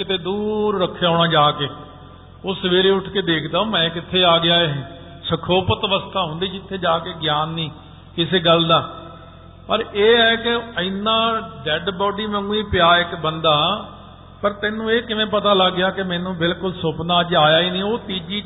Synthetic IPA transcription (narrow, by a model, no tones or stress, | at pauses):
kɪt̪ʰeːd̪uːɾːəkʰːjaːɽ̃ãːd͡ʒaːkeː | oːsəʋeːɾeːʊʈʰkeːd̪eːkʰd̪aːõːmɛ̃ːkɪt̪ʰːeːaːɡɪjaːe | səkʰoːpət̪ʋəst̪ʰaːɦʊ̃nd̪iːd͡ʒɪt̪ʰːeːd͡ʒaːkeːɡjaːnːĩː | kɪseːɡəld̪aː | pəɾeːɦɛːkɪəɪnːãːɖɛːɖbɔːɖiːmɛ̃ŋɡːiːpɪjaːɪkbənd̪aː | pəɾt̪ɛːnũːeːkɪʋẽːpət̪aːləɡːjaːkɪmɛːnũːbɪlkʊlsoːpnaːəd͡ʒaːjaːiːnĩːoːt̪iːd͡ʒiː